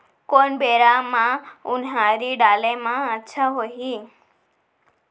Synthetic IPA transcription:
konbeɾamãʊnɦãɾiɖaːlemãətːʃʰaɦoɦi

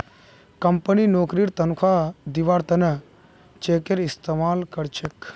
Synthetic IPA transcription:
kɐmpəninoːkɾiːɾt̪ɐnukʰaːd̪iʋaːɾt̪ɐnɐ | t͡ʃeːkeɾɪst̪emaːlkɐɾt͡ʃʰek

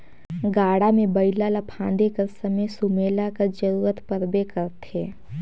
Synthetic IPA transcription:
ɡaːɽamẽbɐɪlalapʰãːnd̪ekɐɾsɐməjsʊmeːlakəɾd͡ʒəɾuːɾət̪pəɾbekɐɾt̪eː

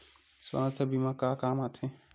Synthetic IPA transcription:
swã̰ːst̪ʰəbimãkaːkaːmaːt̪ʰẽ

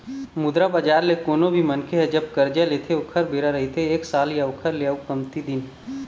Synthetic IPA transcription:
mʊd̪ɾabad͡ʒaːɾlekoːnobʱimɐnkʰeɦɛd͡ʒɐb̚kɐɾd͡ʒaleːt̪ʰeʊkʰəɾbʱeːɾaɾɐɦit̪ʰeeːksaːljaʊkʰəɾlejaukɐmt̪id̪ɪn

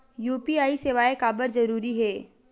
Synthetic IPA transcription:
juːpiaːiseːʋaːekaːbəɾzɐɾuːɾiɦɛː

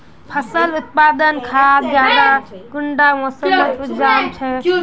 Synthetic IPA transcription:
pʰəsəlut̪̚pad̪ənkʰasd͡ʒjad̪aɡuɳɖamõsəmət͡ʃud͡ʒamt͡ʃʰɛ

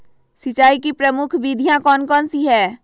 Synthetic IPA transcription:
sɪt͡ʃaːikipɾəmʊkʰbid̪ʱijãkɔːnkɔːnsiɦɛː

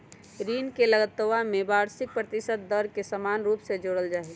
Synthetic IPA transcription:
ɾiːnkeləɡət̪ːəʋamẽbaːɾsɪk̚pɾət̪ɪsət̪̚d̪əɾkesəmaːnɾuːpsed͡ʒoːɽəld͡ʒaːi

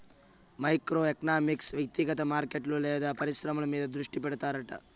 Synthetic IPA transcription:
mɐjkɾoːeknaːmiksʋjɐk̚t̪ikɐt̪ɐmaːɾkeʈlulɛːd̪ɐpɐɾisɾɐmɐlɐmiːd̪ɐd̪ɾuʂʈipɛɽut̪aːɾɐʈɐ̰

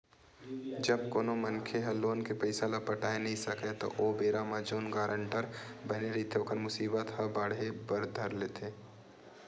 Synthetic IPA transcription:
d͡ʒəb̚koːnomənkʰeɦɐlːoːnkepəɪsalapəʈaːenɐɦĩsɐket̪o̰ʔobeːɾamad͡ʒoːnɡaːɾəɳʈəɾbɐneɾɐit̪ʰeoːkəɾmʊsiːbət̪hɐbaːɽɦebəɾd̪ʱəɾleːt̪ʰeː

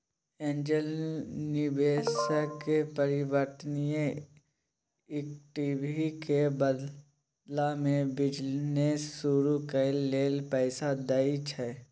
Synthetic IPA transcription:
ẽːnd͡ʒəlnɪbeːsəkepəɾɪwəɾt̪ənijẽ | ɪk̚ʈibʱikebəd̪ | lamẽbɪd͡ʒneːuɾukelleːlpɛːsad̪ait͡ʃʰɛ

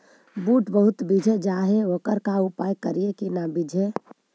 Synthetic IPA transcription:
buːʈbəɦʊt̪bid͡ʒʱed͡ʒaɦeʋokəɾkaupaːjkəɾiekinabid͡ʒʱe

